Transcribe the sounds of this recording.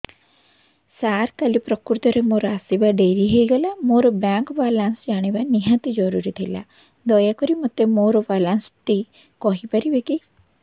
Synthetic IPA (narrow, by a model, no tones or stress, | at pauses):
saɾkalipɾɔkuɾt̪ɔɾemoɾɔasibaɖeɾiɦejɡɔlamoɾɔbaŋkbalansd͡ʒaɽ̃ibaniɦat̪id͡ʒɔɾuɾit̪ʰajla̰ | d̪ɔjakɔɾimɔt̪emoɾɔbalanst̪i | kɔɦipaɾibeki